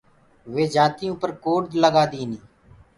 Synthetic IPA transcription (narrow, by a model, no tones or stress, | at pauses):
ʋeːd͡ʒaːt̪ɪjõːpəɾkoːɖd̪ləɡaːd̪iːnĩː